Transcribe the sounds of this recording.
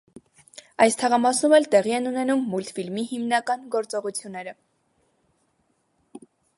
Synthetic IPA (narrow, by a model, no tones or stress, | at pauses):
ɑjst̪ʰɑʁɑmɑsnumɛlt̪ɛʁiɛnunɛnumːult̪filmihimnɑkɑnɡɔɾt͡sɔʁut͡sʰjunːɛɾə